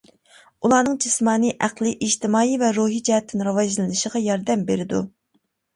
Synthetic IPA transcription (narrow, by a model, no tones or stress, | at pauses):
ulˠɑːnɨŋd͡ʒismɑːnɨʔæqlˠɨʔiʒt̪ɪmɑːivɛɾuːɦid͡ʒɛɦɛt̪ʰːɪnɾɑwɑzlˠɨnɨʃəʁɑjɑɾd̪ɛmbeɾɪd̪ṵ